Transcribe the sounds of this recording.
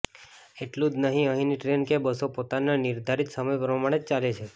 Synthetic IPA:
eʈlũd͡ʒnəɦĩəɦiniʈɾenkebəsopot̪ananiɾd̪ʱaɾit̪səməjpɾəmaɽ̃et͡ʃalet͡ʃʰe

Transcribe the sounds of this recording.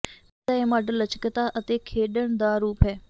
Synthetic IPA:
t̪aːeːmaːɖəlːət͡ʃkət̪aːʔət̪eːkʰeːɗəɽ̃d̪aːɾuːpɦɛː

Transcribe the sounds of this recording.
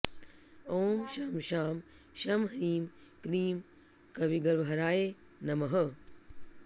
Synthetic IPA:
oːmʃaːmʃaːmʃɐmɦɐiːmkɾiːm | kɐʋiɡɐɾʋɐɦɐɾaːje | nɐmɐɦɐ

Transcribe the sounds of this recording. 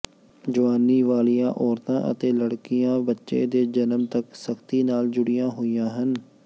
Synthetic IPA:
d͡ʒʊʋaːniːʋaːlijã̰ːʔɔːɾt̪ãːʔə̰t̪eːləɽkɪjãːbətːʃḛːd̪eːd͡ʒənəmt̪əksəkʰt̪iːnaːld͡ʒʊɽɪjãːɦoːijãːɦən

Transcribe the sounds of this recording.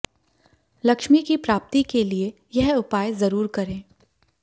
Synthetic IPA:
lɐkʃmikipɾaːp̚t̪ikelie | jɛɦʊpaːjzɐɾuːɾkɐɾẽː

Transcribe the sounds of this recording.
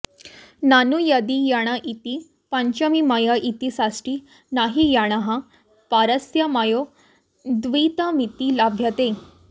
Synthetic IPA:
nanujad̪ijaɽ̃aʔit̪i | paɲt͡ɕəmimajaʔit̪isasʈi | naɦijaɽ̃aɦã | paɾəsjamajo | d̪ʋit̪amit̪ilabʱjat̪e

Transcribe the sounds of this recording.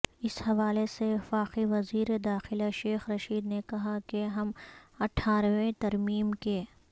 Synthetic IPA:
ɪshɐʋaːleseʋɪfaːxiʋɐziːɾed̪aːxɪlaʃeːxɾɐʃiːd̪nekɐɦakeɦɐmɐʈʰːaːɾʋẽt̪ɐɾmiːmke

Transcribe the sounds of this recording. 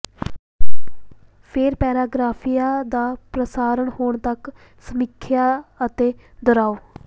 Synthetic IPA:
pʰeɾpɛːɾaːɡɾaːpʰijaːd̪aːpɾəsaːɾəɳhoːɳt̪ək | səmɪkʰjaːət̪eːd̪ɔɾaːoː

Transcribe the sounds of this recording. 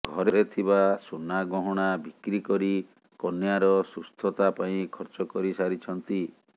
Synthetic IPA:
ɡʱɔɾeɾet̪ʰibasunaɡɔɦɔɽ̃abʱikɾikɔɾi | kɔnjaɾɔsust̪ʰɔt̪apaĩkʰɔɾt͡ʃɔkɔɾisaɾit͡ʃʰɔnt̪i

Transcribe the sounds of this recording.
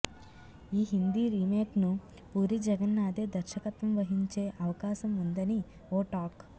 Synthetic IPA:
iːɦind̪iɾiːmeːknu | puːɾid͡ʒɐɡɐnːaːd̪eːd̪ɐɾʃɐkɐt̪ʋɐmʋɐɦiɲt͡ʃeːʔɐʋɐkaːʃɐmund̪ɐni | oːʈaːk

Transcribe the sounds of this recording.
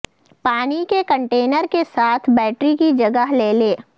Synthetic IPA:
paːnikekə̃ɳʈeːnəɾkesaːt̪ʰbɛːʈɾikid͡ʒɐɡəɦleːleː

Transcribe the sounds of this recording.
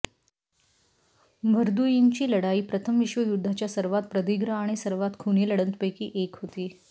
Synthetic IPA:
bʱəɾd̪ujiŋt͡ɕiːləɽaiːpɾət̪ʰəmʋiɕʋəjud̪ʱːat͡ɕjasəɾʋat̪̚pɾəd̪iɡɾəaɽ̃isəɾʋat̪kʰuñiləɽənt̪pəjkḭːʔekɦot̪iː

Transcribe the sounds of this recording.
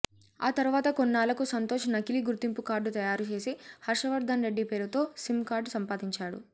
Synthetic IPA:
a̰ːt̪ɐɾuʋaːt̪ɐkonːaːlɐkusɐnt̪oːʂɐnɐkiliɡuɾt̪impukaːɾɖut̪ɐjaːɾut͡ʃe̞ːsihɐɾʂɐʋɐɾd̪ʱanɾe̞ɖːipe̞ːɾut̪o̞ːsimkaːɾɖsɐmpaːd̪iɲt͡ʃaːɽṵ

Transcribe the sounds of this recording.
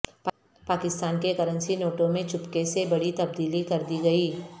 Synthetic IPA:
p | paːkɪst̪aːnkekɐɾə̃nsinoːʈõmẽt͡ʃʊpkesebɐɽit̪ɐb̚d̪iːlikɐɾd̪iɡɐiː

